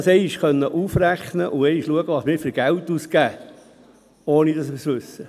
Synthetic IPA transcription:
sɛɪiʃkœnːəʔufræχnəʔʊɛɪʃluəɡəʋɑsmɪːɾfɪɾɡ̥ælt̪ːuskæː | oːnid̥̪ɑsɪsʋʉsːə

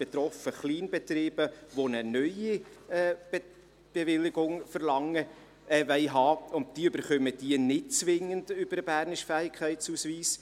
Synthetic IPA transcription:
b̥et̪ɾɔfəχliːnbetɾiːb̥əʋonənœʏiɛː | b̥evɪlɪɡʊŋfəɾlɑŋːə | ɛʋɛɪɦɑːʊnt̚d̥iːəøb̥əɾχœməd̥iənɪt̚t͡sʋɪŋənd̥ʏb̥əɾəbæːɾnɪʃfæːɪkʰχæɪtsuːsʋiːs

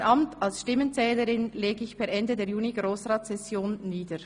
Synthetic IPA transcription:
nʔɑmtʰɑlsʃtɪmənt͡sɛːləɾɪnleːɡəɪçpʰɛːɐʔɛndədeːjuːniɡʁoːsʁɑːtsɛsjoːnːiːdəɾ

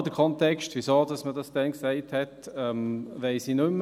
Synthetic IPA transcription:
dəkʰɔntɛkʃtvʋisoːdɑsmədɑsd̥ɛnksɛɪthɛtɛmʋɛɪsinʏmː

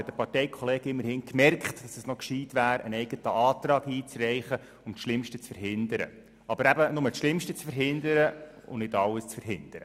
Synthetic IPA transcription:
ɛtdəpɑrtɛɪkʰɔleːɡɪmːəɾhɪnkmɛrkχtd̥ɑsəsnɔkʃiːtʋæːɾə̰nɛɪɡ̥ətəʔɑːt̪ɾɑːɡiːt͡srɛɪχə | ʊmtʃlɪmʃtət͡sfəɾɦɪnd̪əɾə̰ | ɑbəɾæbənʊmətʃlɪmʃtət͡sfəɾɦɪnd̪əɾəʊ̰nɪdɑləst͡sfəɾɦɪnd̪̥əɾə

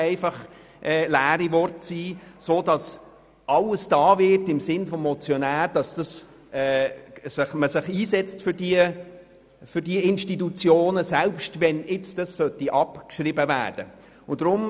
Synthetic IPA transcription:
ɛɪfɑχ | ʔɛːlæːɾivɔrtsiːsoːdɑs | ʔɑləsd̥ɑːvɪtɪmsɪnfɔmːɔt͡sjɔnæːɾd̥ɑsd̥ɑs | ʔɛsɪχməsɪχiːsɛt͡stfʏɾdiə | fʏdiɪnʃtitut͡sjoːnəsɛlpʃtvɛnɪt͡sd̥ɑssœtiʔɑpkʃɾɪbəvæ̰ːrd̥ə | ʊnd̥ɾʊm

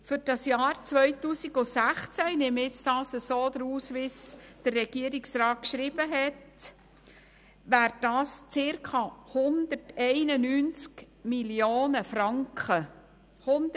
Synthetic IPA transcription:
fʏɾd̥ɑsjɑːɾt͡sʋœjtuːsiɡosæχt͡sænɪmɪt͡stɑːsəsoːd̪əɾuːsʋisd̥ərːɛɡ̥iəɾiksɾɑːt̚kʃɾibəɦɛt | ʋæːɾ̚dɑːst͡sɪɾkʰɑhʊnd̪̥əɾtɛɪnənyːnt͡sk | miljoːnəfɾɑŋkχə | hʊnd

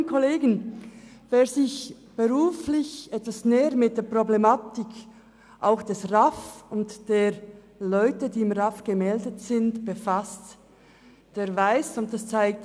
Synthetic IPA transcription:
nkʰoleːɡən̩ | v̥eːɐzɪç | b̥əʁuːflɪçʔɛtvasneːəɾmɪt̚d̥eːɐpʁ̥oblemaːtɪk | ʔaʊxd̥ɛsʁafʊntd̥eːɾ | lɔʏtədiːɪmʁafɡ̥əmɛldətsɪntb̥əfast | d̥eːɐvaɪsʊnt̚d̥ast͡saɪk̚t

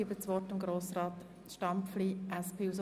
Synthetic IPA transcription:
ibət͡sʋɔtɪmɡɾoːsraːt | ʃtɑmpfliːʔɛspʰeːus

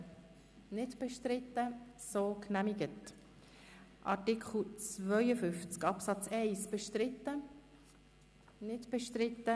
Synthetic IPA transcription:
nɪdb̥ɛʃtɾɪtːəsoːknæmiɡət | ʔɑ̰ɾtɪkχl̩t͡svœʏəfʏft͡skɑpsɑt͡sɛɪsb̥eʃtɾɪtːə | nɪdb̥ɛʃtɾɪtːə

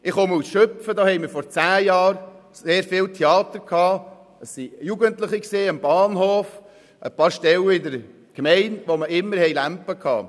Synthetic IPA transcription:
ʔɪχɔməusʃøpfədɑːhɛɪjmɪɾfɔɾt͡sæːjɑːɾseːɾfɪltʰeɑːt̪əɾkʰhɑː | əssijuɡəntləχiksiːəmb̥ɑːnɦoːf | ʔəpɑːɾʃtɛləɪdəɾ | ɡ̥mɛɪnʋoməʔɪmːəɾhɛɪjlæmpːəkʰɑ̰ː

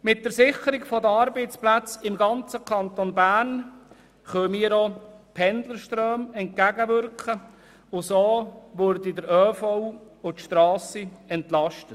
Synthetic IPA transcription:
mɪt̚d̥əɾsɪχəɾɪɡfɔdəɑɾbɛɪt͡splæt͡sɪmɡɑnt͡səkʰɑnt̪onbæːɾn | χœːmiːɾopʰɛndləɾʃtrøːmɛnt̚kæɡəʋʏɾkχə | ʊsoːʋʊɾdidəɾœːfɔw | ʊtʃtɾɑːsiɛntlɑʃtət

